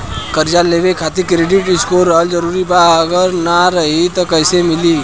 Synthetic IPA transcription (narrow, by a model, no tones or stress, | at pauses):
kəɾd͡ʒaleːʋekʰaːt̪ikɾeːɖɪʈɪskoɾəld͡ʒəɾuːɾibaəɡəɾnaɾɐɦit̪okəɪsemɪliː